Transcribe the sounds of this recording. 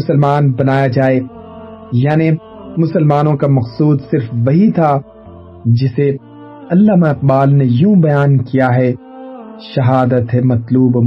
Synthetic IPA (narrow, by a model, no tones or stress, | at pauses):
ʊsəlmaːnbɐnaːjad͡ʒaːe | jaːne | mʊsəlmaːnõkamɐqsuːd̪sɪɾfʋɐɦit̪ʰa | d͡ʒɪse | ɐlːaɦmaɪq̚baːlnejũbɐjaːnkijaɦɛ | ʃɐɦaːd̪ət̪ɦɛmɐt̪luːb